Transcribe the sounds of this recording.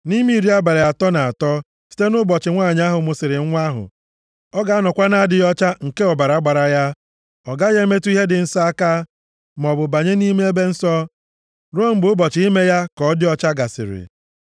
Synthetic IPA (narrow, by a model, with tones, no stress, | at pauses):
ni˦mi˦i˨ɾi˦a˦ba˨ɾe˨a˨tɔ˦na˨a˨tɔ˦ | si̥˦te˦nʊ˦bɔ˨t͡ʃɪ˨ŋʷa˦˨ɲ˦a˦ɦʊ˨mʊ˨sɪ˨ɾɪ˨˦ŋʷa˦ɦʊ̰˨ | ɔ˦ɡa˨a˦nɔ˨kʷa˦na˨˦a˦dɪ˨jɔ˦t͡ʃa˦ŋ̩˨ke˦ɔ˨ba˨ɾa˨˦ɡ͡ba˨ɾa˨ja˦ | ɔ˨ɡa˦ɣe˦me˦tu˦i˦ɦe˦dɪ˨n̩˦sa˦a˦ka˦ | m˨ɔ˨bʊ˨ba˨ɲe˦ni˦me˦e˦be˦n̩˦sɔ˦ | ɾo˦˨m̩˨bʊ˨˦bɔ˨t͡ʃɪ˨˦i˦me˦ja˦kɔ˨˦dɪ˦ɔ˦˨t͡ʃa˦ɡa˨sɪ̰˨ɾɪ̰˨